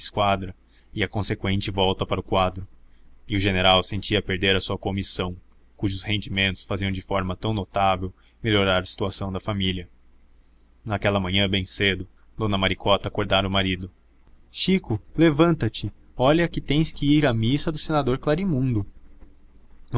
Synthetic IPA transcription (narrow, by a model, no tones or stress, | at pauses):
skwad̪ɾɐ | ɪɐkõsekwẽnt͡ʃɪvɔwt̪ɐpaɾʊkwad̪ɾʊɪʊʒeneɾawsẽnt͡ʃiɐpeɾd̪eɾɐsuɐkomisɐ̃w̃ | kuʒʊshẽnd͡ʒimẽnt̪ʊ̥sfaziɐ̃w̃d͡ʒɪfɔɾmɐt̪ɐ̃w̃not̪avew | meʎoɾaɾɐsi̥t̪uasɐ̃w̃d̪ɐfamiliɐ | nɐkɛlɐmɐ̃ɲɐ̃bẽj̃sed̪ʊ | d̪̥õnɐmaɾikʰɔt̪ɐːkoɾd̪aɾɐʊmaɾid̪ʊ | ʃikʊlevɐ̃nt̪ɐt͡ʃɪ | ɔʎɐkɪt̪ẽj̃skɪiɾɐmisɐd̪ʊsenad̪oɾklaɾimũnd̪ʊ